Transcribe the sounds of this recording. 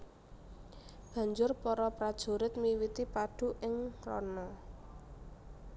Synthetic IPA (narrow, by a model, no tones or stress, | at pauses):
b̥a̤ɲd͡ʒʊrpɔɾɔpɾad̥ʒ̥o̤ɾɪt̪̚miwit̪ipaɖ̥ṳʔɪŋrɔ̰na